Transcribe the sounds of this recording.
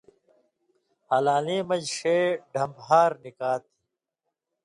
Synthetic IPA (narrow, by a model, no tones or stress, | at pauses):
alaːleːmɐd͡ʑʂeːɖʱɐmbɦaːɾnikaːt̪i